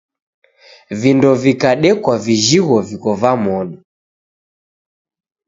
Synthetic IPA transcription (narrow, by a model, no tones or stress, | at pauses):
vindɔvikaɗɛkwaviʒiɣɔvikɔvamɔɗɔ